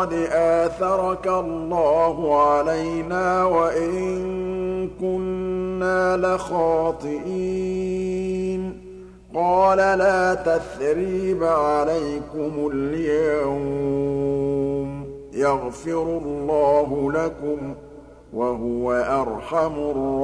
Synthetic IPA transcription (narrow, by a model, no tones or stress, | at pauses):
ɑd̪ʔaːθɑɾˤɑkallˤːɑːɦʊʕalajnaːwaʔɪɪŋŋkʊnːaːlɪxɑːt̪ˤɨʔi | n | qɑːlalaːt̪aθɾiːbʕalajkʊmʊljjaaw | m | jɑɣfɪɾʊlːɑːɦʊlakʊm | waɦʊwaʔɑɾˤħamʊrˤ